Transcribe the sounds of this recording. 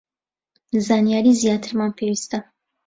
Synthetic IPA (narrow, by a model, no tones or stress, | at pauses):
zaːnijaɾizijaːt̪ʰɨɾmanpʰewist̪a